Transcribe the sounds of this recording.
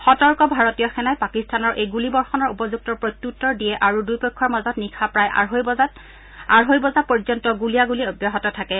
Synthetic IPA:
xɔtɔɹkɔbʱaɹɔtijɔxɛnajpakistʰanɔɹʔejɡulibɔɹxɔnɔɹupɔzuk̚tɔɹpɹɔjt̪ːutːɔɹdijɛʔaɹudujpɔkʰːɔɹmazɔtnikʰapɹajɦ | aɹɦojbɔzapɔɹzɔntɔɡulijaɡuliobjaɦɔtɔtʰakɛ

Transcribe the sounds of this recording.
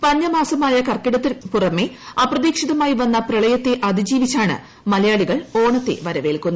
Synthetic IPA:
pɐɲːɐmaːsɐmaːjɐkɐrkːiɽɐt̪ːipurɐmːe̞ɐprɐðiːkʂiðɐmaːjiʋɐnːɐprɐɭɐjɐt̪ːe̞ʔɐd̪id͡ʑiːʋit͡ɕːaːɳɨ̰ | mɐlɐjaːɭiɣɐɭo̞ːɳɐt̪ːe̞̰ʋɐɾɐʋe̞ːlkunː

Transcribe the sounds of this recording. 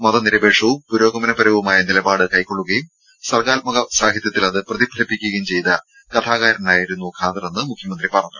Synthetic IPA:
mɐðɐniɾɐbe̞ːʈʂɐʋumpuɾo̞ːɡɐmɐnɐpɐɾɐʋumaːjɐnilɐbaːɽɨkɐjkːo̞ɭːuɣɐjum | sɐrkaːlmɐɣɐsaːɡʱjit̪jɐt̪ːilɐðɨprɐðibʱɐlɐpːikʲːuɣɐjumt͡ɕe̞jt̪ɐ | kɐt̪ʰaːɣaːɾɐnaːjiɾunːukʰaːnt̪ːrɐenːɨmukʰjɐmɐnd̪ripɐrɐɲːɐ

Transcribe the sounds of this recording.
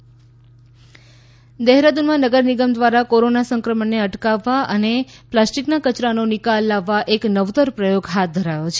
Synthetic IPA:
d̪ɛɦɾad̪unmãnəɡəɾniɡəmd̪ʋaɾakoɾonasəŋkɾəmənːeəʈkaʋːaʔəneplasʈiknakət͡ʃɾanonɪkalːaʋːaʔeknəʋt̪əɾpɾəjoɡɦat̪̚d̪ʱəɾajot͡ʃʰe

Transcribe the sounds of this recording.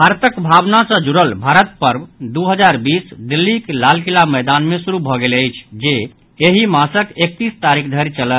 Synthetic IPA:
bʱaɾt̪əkbʱabnasə̃d͡ʒuɾəlbʱaɾət̪̚pəɾbd̪uɦəd͡ʒaɾbisd̪ilːikelalkilaməjd̪anmesuɾubʱɔɡeləjt͡ʃʰd͡ʒe | eɦimasəkek̚t̪ist̪aɾikʰd̪ʱəɾit͡ʃələt̪

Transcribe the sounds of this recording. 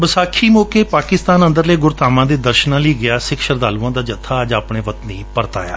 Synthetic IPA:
bəsaːkʰiːmoːkeːpaːkɪst̪aːnə̃nd̪əɾləːɡʊɾt̪aːmãːd̪eːd̪əɾʃnãːləiːɡɪaːsɪkʃəɾd̪aːlũːãːd̪aːd͡ʒət̪ʰːaːəd͡ʒaːpɳeːʋət̪niːpəɾt̪a̰ːja̰ː

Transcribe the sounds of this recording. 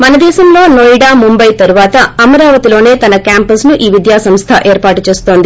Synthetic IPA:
mɐnɐd̪ɛːʃɐmlo̞ːnoːjɽaːmumbɐjt̪ɐɾuʋaːt̪ɐɐmɐɾaːʋɐt̪ilo̞ːne̞ːt̪ɐnɐkjaːmpɐsnuʔiːʋid̪jaːsɐmst̪ʰɐʔeːɾpaːʈut͡ʃe̞ːst̪oːnd̪i

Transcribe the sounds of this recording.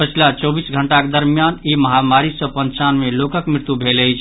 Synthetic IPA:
pət͡ʃʰlat͡ʃɔbisɡʱəɳʈaked̪əɾmijaniməɦamaɾisə̃pənt͡ʃanmelokəkmɾɪɾt̪ubʱeləjt͡ʃʰ

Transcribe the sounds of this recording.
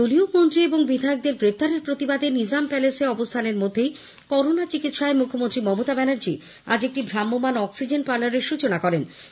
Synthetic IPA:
d̪oliok̚mont̪ɾieboŋbid̪ʱaeok̚d̪eɾɡɾep̚t̪aɾeɾpɾot̪ibad̪enid͡ʑampɛleseɔbost̪ʰaneɾmod̪ʱːej | kɔɾonat͡ɕikit̪ʃaemukʰːomont̪ɾimɔmot̪abɛnaɾd͡ʑi | ad͡ʑek̚ʈibʱɾamːomanɔksid͡ʑenʈpaɾnaɾeɾʃut͡ɕonakɔɾen

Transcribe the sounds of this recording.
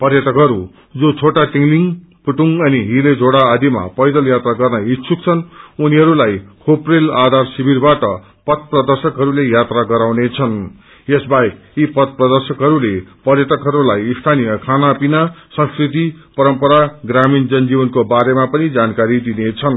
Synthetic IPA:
pʌrjʌt̪ʌkɦʌɾu | d͡zot͡sʰoʈaʈiŋɡliŋ | puʈuŋʌniɦiled͡zʱoɽaːd̪ʱima̰pʌjd̪ʌljat̪raɡʌrnʌit̪sʰuk̚t͡sʰʌnuniɦʌɾulajkʰoprelad̪ʱarsibʱirbaʈʌ | pʌt̪̚ʰprʌd̪ʌrsʌkɦʌɾulejat̪raɡʌɾawnet͡sʰʌn | esbajekipʌt̪̚prʌd̪ʌrsʌkɦʌɾulepʌrjʌt̪ʌkɦʌɾulajist̪ʰanijʌkʰanapinasʌ̃nskrit̪ipʌɾʌmpʌɾaɡramind͡zʌnd͡zibʌnkobaɾemapʌnid͡zankaɾid̪inet͡sʰʌn

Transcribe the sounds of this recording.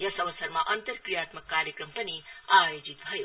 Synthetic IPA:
jɐsɐʋəsɐɾmaʔɐnt̪əɾkɾijaːt̪məkːaːɾjekɾəmpəniaːjod͡ʒit̪bʱʌjo

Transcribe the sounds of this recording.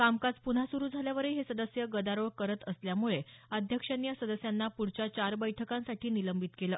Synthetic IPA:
kamkat͡spun̤asuɾuːd͡zʱaljaʋəɾeɦesəd̪əsjəɡəd̪aɾoɭkəɾət̪əsljamuɭeəd̪ʱjəkʂənjasəd̪əsjanːapuɽ̤t͡ɕjat͡ɕaɾbəjʈʰəkãnsaʈʰiːniləmbit̪kelə

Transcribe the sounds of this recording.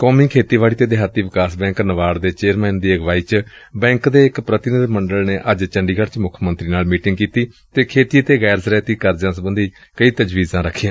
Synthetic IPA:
koːmiːkʰeːt̪iːʋaːɽiːt̪eːd̪ɪɦaːt̪iːʋɪkaːsbɛ̃ːŋknəʋaːɾd̪eːt͡ʃeːəɾmɛ̃ːnd̪iːəɡʋaːiːt͡ʃbɛ̃ːŋkd̪eːɪkpɾət̪ɪnəd̪məɳɖəlneːʔəd͡ʒt͡ʃəɳɖiːɡəɾt͡ʃmʊkʰmə̃nt̪ɾiːnaːlmiːʈɪŋɡkiːt̪iː | t̪eːkʰeːt̪iːt̪eːɣɛːɾsɾɛːt̪iːkəɾd͡ʒãːs̬əbənd̪iːkəiːt̪əd͡ʒʋiːzãːɾəkʰːiːã

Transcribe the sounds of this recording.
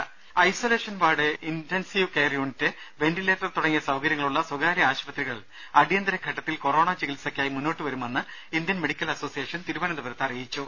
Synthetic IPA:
ɐjsoːleːʂɐnʋaːɽɨʔintensiːʋkeːrijoɳtːɨ | ʋe̞nɖileːt̪ːrɐt̪uɽɐŋːijɐsɐwkɐɾjɐŋːɐɭuɭːɐswɐɡaːɾjɐaːɕpɐt̪riɣɐɭ | ɐɽijɐnd̪ɐɾɐkʰɐʈːɐt̪ːilko̞roːɳaːt͡ɕiɣilsɐkʲːaːjimunːo̞ːʈːɨʋɐɾumenːɨind̪jɐnmeɽikʲːɐlɐso̞ːsijeːʂɐnt̪iɾuʋaːnɐnd̪ɐbɐɾɐt̪ːɐrijit͡ɕːu

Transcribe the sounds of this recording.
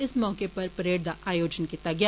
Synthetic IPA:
ɪsmɔːkepɐɾpɾeːɽd̪aʔʔaːjoːd͡ʒənkiːt̪aɡɪaː

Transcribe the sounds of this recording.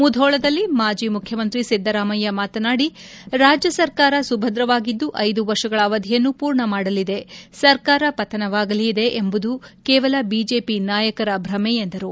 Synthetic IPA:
mud̪ʱɔːɭɐd̪ɐlːimaːd͡ʒiːmukʰjɐmɐnt̪ɾisid̪ʱːɐɾaːmɐjːɐmaːt̪ɐnaːɽi | ɾaːd͡ʒjɐsɐɾkaːɾɐsubʱɐd̪ɾɐʋaːɡid̪ːuʔɐjd̪uʋɐɾʂɐɡɐɭɐʋɐd̪ʱijɐnːupuːɾɳɐmaːɽɐlid̪e̞sɐɾkaːɾɐpɐt̪ʰɐnɐʋaːɡɐliːd̪e̞ʔembud̪ukɛːʋɐlɐbiːd͡ʒe̞ːpinaːjɐkɐɾɐbʱɾɐmɛend̪ɐɾu

